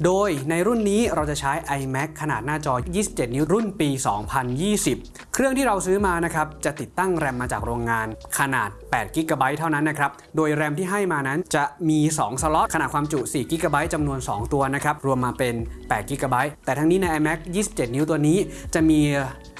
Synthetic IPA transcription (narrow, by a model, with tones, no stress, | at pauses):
doː˧jna˧jɾu˥˩nːiː˦˥ɾa˧wt͡ɕa˨˩t͡ɕʰaː˦˥jʔa˧jmɛ˦˥kʰːa˧naː˨˩t̪̚naː˥˩t͡ɕɔː˧jiː˥˩si˨˩p̚t͡ɕe˨˩t̪̚ni˦˥ɾu˥˩npiː˧sɔː˩˦ŋpʰa˧njiː˥˩si˨˩p̚ | kʰɾɯ˥˩əŋt̪ʰiː˥˩ɾa˧wsɯː˦˥maː˧na˦˥kʰɾa˦˥p̚t͡ɕa˨˩t̪i˨˩t̪ːa˥˩ŋɾɛ˧mːaː˧t͡ɕaː˨˩k̚ɾoː˧ŋːaː˧nkʰa˧na̰ː˨˩t̪̚pɛː˨˩t̪̚ki˦˥kaː˧ba˦˥jt̪ʰa˥˩wna˦˥nːa˦˥kʰɾa˦˥p̚doː˧jɾɛ˧mt̪ʰiː˥˩ɦa˥˩jmaː˧na˦˥nt͡ɕa˨˩ʔmiː˧sɔː˩˦ŋsa˧lɔ˦˥t̪kʰa˧na˨˩kwaː˧mt͡ɕu˨˩siː˨˩ki˦˥kaː˧ba˦˥jt͡ɕa˧mnu˧ənsɔː˩˦ŋt̪u˧ɐna˦˥kʰa˦˥p̚ɾu˧əmːaː˧pe˧npɛː˨˩ki˦˥kaː˧ba˦˥jt̪ɛː˨˩a˧ŋniː˦˥na˧jʔa˧jmɛ˦˥k̚jiː˥˩si˨˩p̚t͡ɕe˨˩t̪̚ni˦˥t̪u˧əniː˦˥t͡ɕa˨˩ʔmiː˧